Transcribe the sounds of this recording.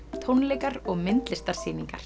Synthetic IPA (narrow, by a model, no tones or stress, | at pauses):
t̪ʰownlɛːkaɾɔɣmɪnt̪lɪst̪aɾ̥siːniŋka̰ɾ̥